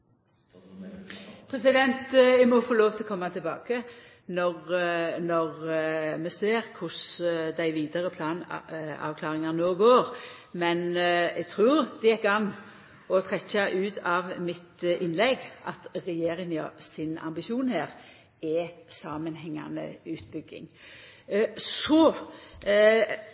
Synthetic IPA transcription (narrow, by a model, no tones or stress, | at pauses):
pʰʁɛsɪd̪ɛnt̪ɛɡmɔfoːloːʋt̪ʰɪlɔkʰɔmːɑt̪ʰɪlbɑ̰ːkə | nɔʁnɔʁmɛseːʁkʰʊsd̪æɪʋiːd̪əʁəpʰlɑːnɑ̰ʋkʰlɑːʁɪŋɑnoːɡoːʁ | mɛnɛɡt̪ʰɾuːɾd̪ɛjɛkːɑnː | ɔt̪ʰʁɛçɑʔʉːt̪ɑʋmɪt̪ɪnlɛɡʔɑt̪ʁɛjeːʁɪŋɑ̰sɪnɑ̰mbɪʃuːnhæːʁ | ɛsɑːmənɦɛŋːɑ̰nə̰ʉːt̪̚bʏɡɪ̰ŋ | sɔ